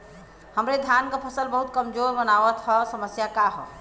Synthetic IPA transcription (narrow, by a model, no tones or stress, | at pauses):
həmɾed̪ʱjankəpʰəsəlbəɦut̪̚kəmd͡ʒoɾbənaʋət̪ɦɔsəməsjakaɦɔ̰